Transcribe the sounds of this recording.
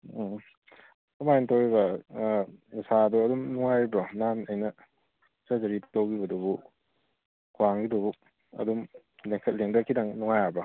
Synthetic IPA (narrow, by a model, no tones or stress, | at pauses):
tɐmajentowibɐ | nusaduɐdumnuŋajbɐnanɐjnɐ | sazɐɾiptowɡibɐdubu | kʰuwaŋɡidobu | ɐ̰dum | leŋkʰɐt̚leŋdɐkʰidɐŋnuŋajabɐ